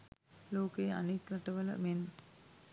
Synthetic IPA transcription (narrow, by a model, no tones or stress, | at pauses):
loːkeja̰nekɾaʈəʋələ̰men